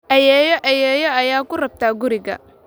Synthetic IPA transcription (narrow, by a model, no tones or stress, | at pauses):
ʔɛjɛːjɔʔɛjɛːjɔɐjaːkʰʊrɐb̚t̪ʰaːɡʊɾɪɣɐ̰